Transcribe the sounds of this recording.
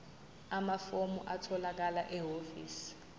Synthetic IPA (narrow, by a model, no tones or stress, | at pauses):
amafomuʔatʰɔlak̬alaʔɛɦofḭːsi̥